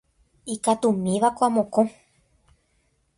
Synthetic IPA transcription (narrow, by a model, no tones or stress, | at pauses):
ikat̪umĩʋakʷamõkõ